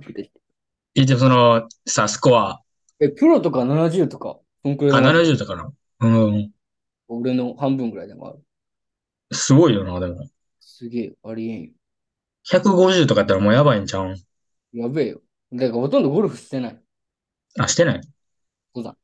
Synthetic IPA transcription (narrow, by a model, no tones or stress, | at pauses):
kɯ̟d̪ei̥t̪e | it̪̬emsonosasɨ̥koβa | ekɯ̟ɾot̪o̞kananaʑɨːt̪o̞ka̰ | sõŋkɯɾeananaʑɨːt̪okana | ɯ̟̃ː | oɾeno̞hãmbɯ̟̃ŋɡɯ̟ɾaid̪emo̰a̰ɾɯ | sɨɡo̞ijo̞naːd̪e̞mo̞̰ | sɨɡʲe̞ːaɾʲiẽjo | çakɯ̟ɡo̞ʑɨːt̪o̞kat̪ːeɾamoːjaβaĩɲt͡ɕã | jabeːjo | d̪akaho̞t̪ond̪oɡo̞ɾɯ̟ɸɯ̟ɕi̥t̪e̞nai | aɕi̥t̪e̞nai | soːd̪a̰